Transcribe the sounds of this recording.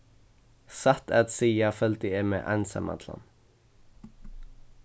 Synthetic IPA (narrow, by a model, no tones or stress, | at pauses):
sɑt̪æt̪siːɑfœlt̪əeːmḛːʔænsə̰mʔɑ̰t̪ʰlɑ̰n